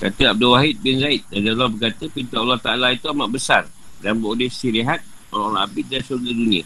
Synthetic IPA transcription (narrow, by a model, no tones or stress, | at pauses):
kat̪əab̚dulwaɦit̪̚bɪnzaɪt̪̚dadalahbərkat̪əpint̪aʔalːaht̪aʔalait̪uamaʔ̚bəsar | danbodihsiɾiɦat̪̚ | ɔalʔabit̪̚dansuarɡadunĩə̰